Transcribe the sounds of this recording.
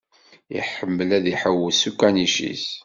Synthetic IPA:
ḭħəmːəlæðiħəwːəsukːæniʃḭs

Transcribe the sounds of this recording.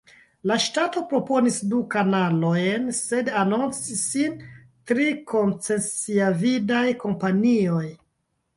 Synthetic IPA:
laʃtato̞pɾo̞po̞nisdukanalo̞jnsedanont͡sisin | tɾiko̞nt͡se̞nt͡siavidajko̞mpanio̞j

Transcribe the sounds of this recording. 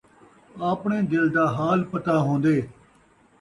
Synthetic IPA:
aːpɳeːd̪ɪld̪aːɦaːlpət̪aːɦõːnd̪eː

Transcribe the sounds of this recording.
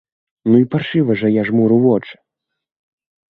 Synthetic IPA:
nuipaʂɨvɐʐɐjaʐmuɾuvɔt͡ʂɨ̥

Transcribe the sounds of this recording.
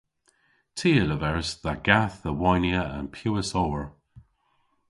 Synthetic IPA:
tʰiːələvɛɹsðaɡ̥aθəwɔjniəə̰̃npʰjuːəsoːəɹ

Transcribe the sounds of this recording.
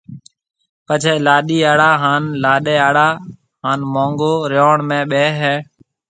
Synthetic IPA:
pət͡ʃʰeːlaːɗiːaːɽaːɦaːnlaːɗeːaːɽaː | ɦaːnmõːŋɡoːɾjoːɳmẽːɓeːɦɛː

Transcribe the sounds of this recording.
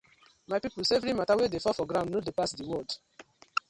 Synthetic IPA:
maɪpipulseevɾimatawedefɔfɔɡɾãndnodepasdiwɔd

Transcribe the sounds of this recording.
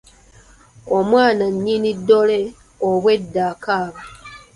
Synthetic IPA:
omwaːnaɲːinidːo̞le | oβwe̞dːaːkaːβa

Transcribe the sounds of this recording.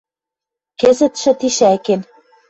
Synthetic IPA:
kezɘ̆t̪ʃɘ̆t̪iʃæken

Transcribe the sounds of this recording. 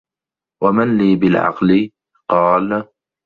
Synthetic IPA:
wamanliːbɪlʕɑ̰qlɪ | qɑːl

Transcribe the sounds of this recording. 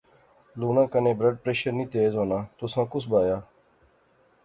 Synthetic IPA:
luːnãːkənẽːbɾəɖ̚pɾeːʃəɾnĩːt̪eːzɦoːnaːt̪ʊsãːkʊsbaːjaː

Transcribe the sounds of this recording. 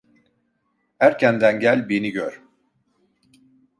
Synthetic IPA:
hæɾcʰænd̪ænɟælʲbeniɟøɾ

